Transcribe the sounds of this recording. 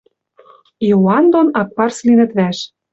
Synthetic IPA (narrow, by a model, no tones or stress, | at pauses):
joɑnd̪onɑk̚pɑrslinə̆t̪βæʃ